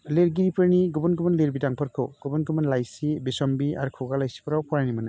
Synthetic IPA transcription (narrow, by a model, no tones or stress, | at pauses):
leɾɡiɾipɯɾniɡɔbɔnɡɯbɯnleɾbidaŋpʰɯɾkʰɯ̰wɡ̥ɔbɔnɡɯmanlajsibisɔmbia̰ɾkʰɔɡalajsi̥pʰɔɾawpʰɔɾajnimana